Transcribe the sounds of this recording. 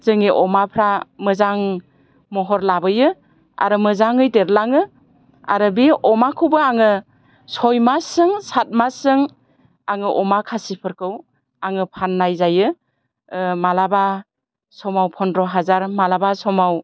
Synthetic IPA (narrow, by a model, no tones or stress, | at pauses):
zɯŋiʔɔmapʰɾamɯzaŋ | mɔɦɔɾlabɯjɯ | a̰ɾɯmɯzaŋɯjdeɾlaŋɯ | a̰ɾɯbiɔmakʰɯwbɯaŋɯ | sɔjmasɯŋsat̚masɯŋ | aŋɯʔɔmakʰasipʰɯɾkʰɯw | aŋɯpʰanːajzajɯ | malaba | sɔmawpʰɔndɾɔɦazaɾmalabasɔmaw